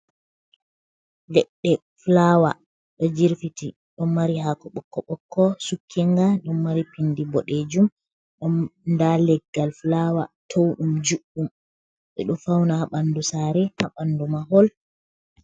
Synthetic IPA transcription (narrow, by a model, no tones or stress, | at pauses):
lɛɗːɛ | flawa | ɗɔd͡ʒiɾfiti | ɗɔnmaɾihakɔɓɔkːɔɓɔkʰːɔsukʰːiŋɡaɗɔnːaɾipindibɔɗed͡ʒum | ɗɔnndalɛɡːalflawatʰowɗumd͡ʒuɓum | ɓɛ̰ɗɔfawnahaɓanːdusaːɾɛhaɓandumaɦɔl